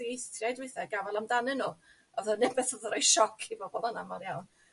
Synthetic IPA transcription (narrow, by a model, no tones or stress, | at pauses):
iejstʰrjajdweɨθɛɡavɛlˠamdanɨnuː | ɔðɔnɛbɛθɔðɔɾɔjʃɔkʰiboːbodanamɔdjawn